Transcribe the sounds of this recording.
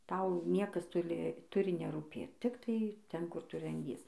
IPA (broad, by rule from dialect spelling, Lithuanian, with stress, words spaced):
ˈtɐʊ ˈnʲiɛkɐs ˈtʊlʲɪ ˈtʊrʲɪ nʲɛruːˈpʲeːt ˈtʲɪktɐɪ ˈtʲɛn ˈkʊr ˈtʊ rɐnʲˈdʲiɛs